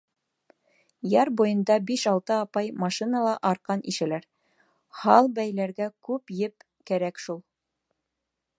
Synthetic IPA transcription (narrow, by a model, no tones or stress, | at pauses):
jɑɾbujɤ̆nd̪ɑbiʃɑlˠt̪ɤɑpɑjmɑʃinɑlˠɑʔɑɾqɑniʃɘ̆læɾ | hɑlˠbæjlæɾɡækʉpjɘp̚ | kæɾækʃulˠ